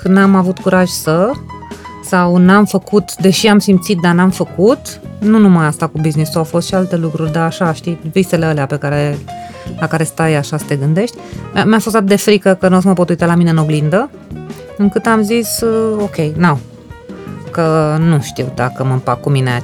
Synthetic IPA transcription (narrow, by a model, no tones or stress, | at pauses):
kɨnamavut̪kuɾaʒsə | sawnamfəkut̪d̪e̞ʃiamsimt̪sit̪̚d̪anamfəkut̪nunumajast̪akubiznisuawfost̪ʃialt̪e̞lukɾurʲd̪aːʃaʃt̪ivist̪e̞leəleape̞kaɾe̞ | lakaɾe̞st̪ajaʃasə̥t̪e̞ɡɨnd̪e̞ʃt̪ʲmʲjafost̪at̪̚d̪e̞fɾikəkənos̬məpot̪ujt̪alamineɨno̞ɡlind̪ə | ɨŋkɨt̪amziso̞kʲe̞jnaw | kənuʃt̪iwd̪a̰kəməmpak̚kːuminea̰